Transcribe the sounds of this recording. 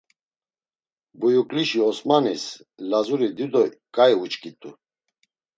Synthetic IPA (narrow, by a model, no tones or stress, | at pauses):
bujukʼliʃiɔsmanis | lazuɾid̪id̪ɔkʼaiut͡ʃʼkʼit̪ʼu